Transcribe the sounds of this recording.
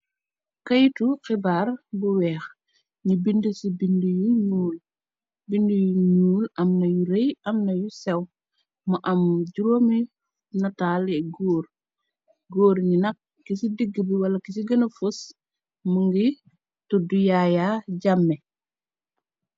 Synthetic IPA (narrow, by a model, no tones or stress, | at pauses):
kɐjtuxibaːrbuwɛːx | nibindəsibindijuɲuːl | bindujuɲuːlɐmnɐjuɾejɐmnɐjusɛw | mɐʔɐmɟuɾomi | nɐtaːlɛɡoːr | ɡoːɾɲinɐk̚ːisidiɡəbiwɐlɐkisiɡɐnɐfus | muŋɡi | tɔdujajaːɟamːɛ